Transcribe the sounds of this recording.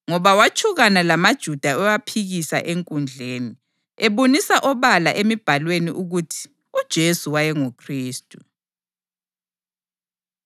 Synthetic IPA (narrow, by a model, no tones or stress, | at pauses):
ŋɔβawat͡ʃʰʼuɣanalamad̥ʒ̥ʱud̥ʱaɛwapʰiɣisa̰ʔeŋkʼund͡ɮʱeːni | ɛβonisaʔɔβala̰ʔemib̥ʱalweniʔuɣutʰi̥ | ud̥ʒ̥ʱesuwajɛŋukʰriːstʼu